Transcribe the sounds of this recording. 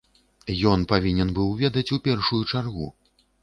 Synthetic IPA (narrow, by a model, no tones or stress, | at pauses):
jɔnpavʲinʲɛnbɨwvʲɛd̪ɐt͡sʲupʲɛrʂujut͡ʂarɣṵ